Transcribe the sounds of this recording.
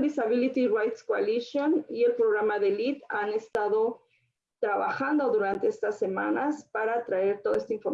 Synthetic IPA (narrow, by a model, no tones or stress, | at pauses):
d̪isaβilit̪irajt̪skoa̰lisjonie̞lpɾoɣɾamaðe̞lit̪anest̪aðo̞ | t̪ɾaβa̰xand̪o̞ðuɾant̪eest̪asːe̞mã̰naspaɾat̪ɾae̞ɾt̪o̞ðae̞st̪aiɱfo̞ɾ